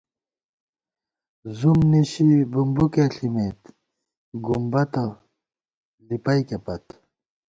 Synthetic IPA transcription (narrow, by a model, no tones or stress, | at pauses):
zumniɕibumbukeɬimet̪ | ɡumbɐt̪ɐ | lipɐjkepɐt̪